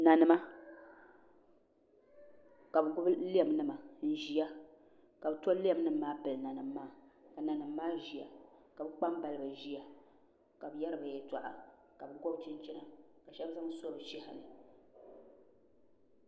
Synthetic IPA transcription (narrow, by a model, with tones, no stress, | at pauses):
na˨nɨ˦ma˦ | ka˨bɨ˨ɡʊ˦bli˦ɛ˨mnɨ˦ma˨n̩˦ʒi˦ja˦ | ka˨bɨ˨˦to˦li˦ɛ˨m˦nɨ˦mː˦aː˦pɨ˨lna˨nɨ˨mːaː˦ka˨na˨nɨ˨mːaː˦ʒi˨a˨ka˨bɨ˦k͡pa˦mba˨lɨ˦ba˨ʒi˦ja˦ | ka˨bɨ˨jɛ˦ɾɨ˦ba˨jɛ˦ta˨ʔa̰˨ | ka˨bɨ˨ɡɔ˦btɨ˦n˦t͡ʃɛ˦na˨ka˨ʃɛ˦bza˦ŋ˦so˦bɨ˨ʃɛ˦ha̰˨lɨ˨